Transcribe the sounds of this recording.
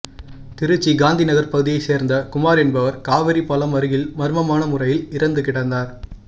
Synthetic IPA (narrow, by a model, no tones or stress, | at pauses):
t̪ɪɾɯt͡ʃːiɡaːnd̪inɐɣɐɾpɐɣɯðɪjɐɪseːɾnd̪ɐkʊmaːɾɛnbɐʋɐɾkaːʋɐɾipːɐlɐmɐɾɯɣɪlmɐɾɯmɐmaːnɐmʊrɐjɪlɪɾɐnd̪ɯkɪɽɐnd̪aːɾ